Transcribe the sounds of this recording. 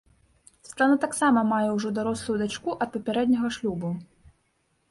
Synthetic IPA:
st̪anat̪aksamɐmajɛwʐɔd̪aɾɔslˠujud̪at͡ʂkuʔɐt̪̚pɐpʲɛɾɛd̪ʲnʲɐɣɐʂlʲubu

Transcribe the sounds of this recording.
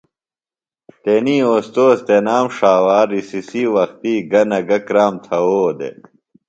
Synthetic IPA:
t̪eniːoːst̪oːst̪enaːmʂaːwaːɾisisiːwɐxt̪iːɡɐnɐɡɐkɾaːmt̪ʰɐwoːd̪ḛ

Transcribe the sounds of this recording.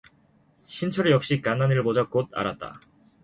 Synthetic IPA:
ɕʰint͡ɕʰʌɾɯjʌk̚ɕ͈ik͈anːaniɭbod͡ʑʌk͈od̚ʰa̰ɾat̚t͈a̰

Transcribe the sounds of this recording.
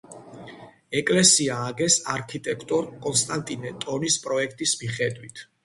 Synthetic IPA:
ɛkʼlɛsiaːɡɛsaɾkʰit̪ʼɛkʰt̪ʼɔɾkʼɔnst̪ʼant̪ʼinɛt̪ʼɔnispʼɾɔɛkʰt̪ʼismiχɛd̪wit̪ʰ

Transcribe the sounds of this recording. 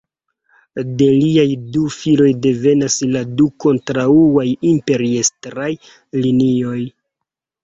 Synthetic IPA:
de̞liajdufilo̞jde̞ve̞nasladuko̞ntɾauajimpe̞ɾiestɾaj | linio̞j

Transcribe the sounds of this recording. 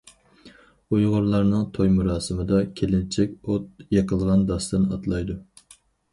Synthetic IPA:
ujʁʊɾlˠɑɾnɨŋt̪ʰojmuɾɑːsɨmɨd̪ɑkʲʰelɪnt͡ʃʰɛkʲot̪̚jeqʰəlˠʁɑnd̪ɑst̪ɨnɑ̰t̪lˠɑjd̪u

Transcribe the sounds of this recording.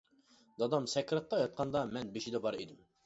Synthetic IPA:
d̪ɑd̪ɑmsɛkʲɾɑt̪̚ːɑjɑt̪̚qʰɑnd̪ɑmɛnbeʃid̪ɛbɑɾḛd̪ɪm

